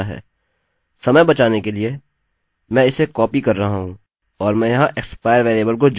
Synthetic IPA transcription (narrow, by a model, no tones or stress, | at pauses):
ɦɛ̰ː | sɐməjbɐt͡ʃaːnekelie | mɛ̃ɪsekɔːpikɐɾːɐɦaɦũ | ɔːɾmɛ̃ːjɐɦãʔekspaːɪəɾʋeːɾeːbəlkod͡ʒ